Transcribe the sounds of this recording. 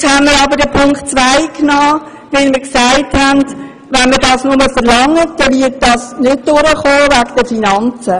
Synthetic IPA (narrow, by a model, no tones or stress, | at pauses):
t͡shɛnmɪɾɑːbəɾdɛpʰʊŋktt͡sʋaɪknɑː | ʋɪlmɪːɾksaɪthɛnd | ʋɛnmədɑːsnʊməfəɾlɑŋːədɛvɪːət̚d̥ɑsnɪt̚d̥ʊɾəχoːvæɡd̥əfinɑnt͡sə